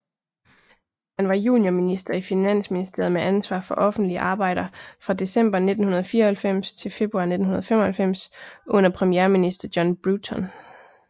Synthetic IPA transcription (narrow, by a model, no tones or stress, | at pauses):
hænʋɑ̈jṵːnjominisd̥ɐifinæn̰sminisd̥e̝ɐð̩ˠmeʔænsʋɑ̰̈ːfɒ̽ʔɒ̽fn̩d̥liəʔɑ̈ːb̥ɑ̈ɪ̰ɾ̥ɐfʁɑ̈d̥e̝sem̰b̥ɐne̝d̥n̩hunɐð̞ˠfiːɐhælfem̰st͡sʰe̝lfe̝b̥ʁuɑ̈ne̝d̥n̩unɐð̞ˠfem̰ɒ̽hælfem̰sʔɔ̽n̰ɐpʰʁɛmijeːɐminisd̥ɐd̥jɒ̽nb̥ʁut͡sʰɒ̽n